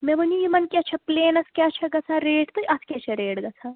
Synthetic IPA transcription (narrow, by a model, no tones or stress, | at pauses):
mɛ̃bənijimɐnkʲɛt͡ʃʰɐpleːnɐskʲat͡ʃʰɐɡɐt͡sʰãɾeːʈt̪ojʔɐt̪ʰkʲɛt͡ʃʰɛɾeːɽɡɐt͡sʰa